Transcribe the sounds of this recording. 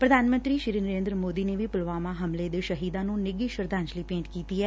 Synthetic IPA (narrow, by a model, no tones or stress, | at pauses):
pɾəd̪ʱaːnmənt̪ɾiːʃɪɾiːnəɾeːnd̪ɾəmoːd̪iːneːʋipʊlʋaːmãːɦəmleːd̪eːʃəɦiːd̪ãːnũːnɪɡiːʃəɾd̪ãːɲt͡ʃliːpẽːɳʈkiːt̪iːɛː